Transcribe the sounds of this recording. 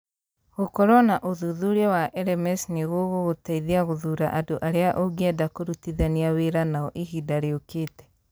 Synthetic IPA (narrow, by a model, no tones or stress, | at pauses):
ɣokɔɾɔnaʔoðuðuɾɛwaʔɛɾɛmɛsneɣoɣoɣotaiðiaɣoðuɾaʔadoʔaɾeaʔoɡɛdakoɾutiðaniaweɾanaɔʔihidaɾeokeːtɛ̥